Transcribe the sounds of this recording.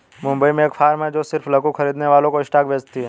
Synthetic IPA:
mʊ̃mbəimẽeːkfʰaːɾmɦɛd͡ʒoːsɪɾfʰləkuxʰɐɾiːd̪neʋaːlõkoɪsʈaːkbʱeːd͡ʒt̪iɦɛ

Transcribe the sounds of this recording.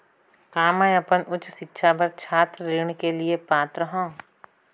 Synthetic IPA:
kaːmãjɐpənʊt͡ʃʃɪkːʃʰabəɾt͡ʃʰaːt̪ɾɾeːɳkelɪepaːt̪ɾəɦõː

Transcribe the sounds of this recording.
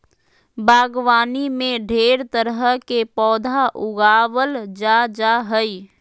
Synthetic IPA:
baːɡwaːnimẽɖʱeːɾt̪əɾəɦəkepɔːd̪ʱaʔʊɡaːwəld͡ʒad͡ʒaɦəi

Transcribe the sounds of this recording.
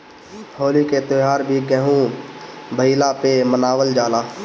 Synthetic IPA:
hoːliket̪oɦaːɾbʱiɡɛɦũ | bʱəilapemənaːwəld͡ʒaːlaː

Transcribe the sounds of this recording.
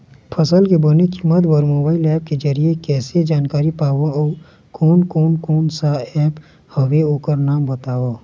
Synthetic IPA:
pʰəsəlkebonekimət̪bɔɾmoːbaːɪilɛːp̚ked͡ʒəɾiekɛːsed͡ʒaːnkaːɾipaːwo | kɔːnkɔːnkɔːnsaɛːp | hɐʋeoːkəɾnaːmbɐt̪aːʋoː

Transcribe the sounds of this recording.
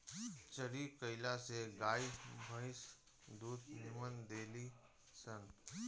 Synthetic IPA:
t͡ʃəɾikəɪlaseɡaːjbʱə̃ɪs | d̪uːt̪nɪmənd̪eːli | sən

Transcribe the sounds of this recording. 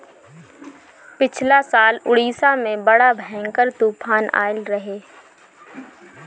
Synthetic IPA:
pɪt͡ʃʰlasaːlʊɽiːsamẽbɐɽabʱɛ̃ːŋkəɾt̪uːpʰaːna̰ːɪlɾɐɦeː

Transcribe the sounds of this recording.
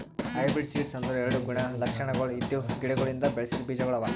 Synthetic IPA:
ɐjbiɖsiːlsɐnd̪ɐɾɛɾɐɽuɡuɳɐlɐkʂɐɳɐɡɐɭuit̪juɡiɽeɡoɭind̪ɐbeɭɐsid̪ubiːd͡ʒɐɡɐɭɐʋɐ

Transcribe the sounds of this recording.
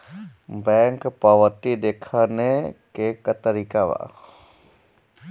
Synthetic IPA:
bɛŋkpəʋəɾt̪id̪ekʰanekekət̪əɾikaʋa̰

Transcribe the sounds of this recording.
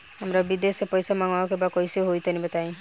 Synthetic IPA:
amɾabid̪esepɔjsamaŋaɔkebakɔjsiɦojt̪ʰanibat̪aĩ

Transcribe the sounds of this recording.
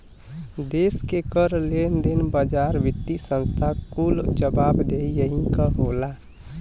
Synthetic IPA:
d̪eːskekəɾlend̪ɪnbəd͡ʒaːɾʋɪt̪ːisə̃nst̪ʰakuld͡ʒəbaːbd̪eijəɦikaɦoːla

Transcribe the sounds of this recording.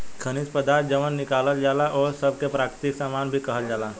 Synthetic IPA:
kʰənɪspəd̪aːɾt̪̚d͡ʒəʋənːɪkaːləld͡ʒaːlaʔɔːɾsɐb̚kepɾaːkɾɪt̪ɪksaːmaːnbʱikɐɦəld͡ʒaːlaː

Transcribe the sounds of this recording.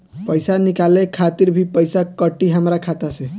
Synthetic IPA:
pəjsanikalekʰat̪iɾbʱipəjsakəʈːiɦəmɾakʰat̪asẽ

